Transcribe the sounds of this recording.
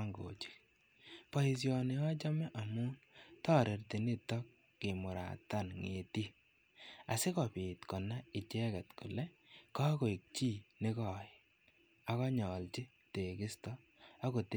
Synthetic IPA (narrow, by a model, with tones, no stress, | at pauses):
ŋɡo̰˨t͡ʃi̥˦ | pɔ˨i˨s̬jɔ˨ne˨ɔ˦t͡ʃɔ˦mɛ˦ʔa˨mu˦tɔː˦ɾe˨rti˨ni˦tɔ˦kː | ɪ˨mʊ˨ɾa̰˨ta˦˨nŋe˨ti˦ | a̰˨se˦kɔ˨pi˨tkɔ˨na˦ɪ˨t͡ʃɛ˦kɛ˨tku˨lɛ˦ka˦ko˨i˨k̚t͡ʃi˦nɪ˦kɔ˨j | a˨kɔ˦ɲɔ˨lt͡ʃi˦ | te˨kɪ˦stɔ˦ | a˦ko˨t